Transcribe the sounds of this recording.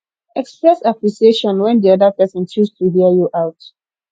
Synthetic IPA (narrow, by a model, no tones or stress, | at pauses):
ɛkspɹɛsapliseʃɔ̃nwɛ̃ndiɔdəpɛsɔ̃ntustʰuɦiəjuʔaʊt